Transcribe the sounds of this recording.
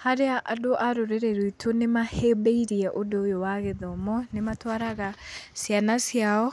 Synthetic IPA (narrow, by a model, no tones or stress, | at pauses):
haɾeaʔadoʔaɾoɾeɾɛɾwitʰonemahebeiɾiɛʔodojowaɣeðɔmɔnematwaɾaɣasjanasjaɔ